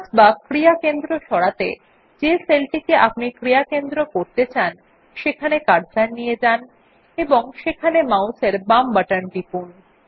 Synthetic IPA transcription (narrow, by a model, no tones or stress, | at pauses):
ad͡ʑbakɾijakend̪ɾoʃɔɽat̪e | d͡ʑeselʈikeʔap̚nikɾijakend̪ɾokoɾt̪et͡ɕan | ʃekʰanekaɾd͡ʑaɾnijed͡ʑan | eboŋʃekʰanemawseɾbambaʈanɖipun